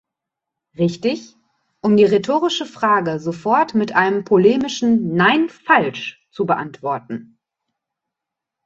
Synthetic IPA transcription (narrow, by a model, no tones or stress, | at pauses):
ʁɪçtɪç | ʔʊmdiːʁetʰoːʁɪʃəfʁ̥aːɡəzofɔɐtmɪtʔaɪnəmpʰoleːmɪʃn̩naɪnfalʃt͡subəʔa̰ntv̥ɔɐtn̩